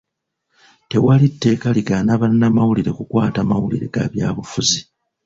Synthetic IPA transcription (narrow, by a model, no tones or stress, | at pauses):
te̞walitːe̞ːkaliɡanaβanːamawuliɾe̞kukwaːtamawulḭɾe̞̰ɡ̥a̰βjaːβufuzi